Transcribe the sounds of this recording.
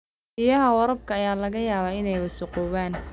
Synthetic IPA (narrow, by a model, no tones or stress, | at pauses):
ɪjɐɦɐwɐɾɐb̚kʰɐːjaːlɐɣɐjaːβaːɪnɛjwɐsʊqɔːwaːn